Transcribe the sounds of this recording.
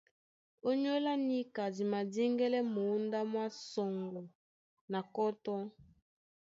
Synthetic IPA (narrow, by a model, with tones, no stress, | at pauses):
o˦ɲo˦la˦ni˦ka˨di˨ma˨di˦ŋɡɛ˦lɛ˦mo˨˦nda˦mwa˦sɔ˨ŋɡɔ˨ | na˨kɔ˦tɔ˦